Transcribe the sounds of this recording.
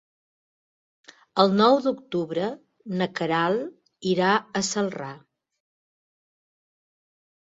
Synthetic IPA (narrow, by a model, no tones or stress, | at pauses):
əlˠnɔwd̪ukt̪uβɾə | nəkəɾalˠ | iɾaəsəlˠra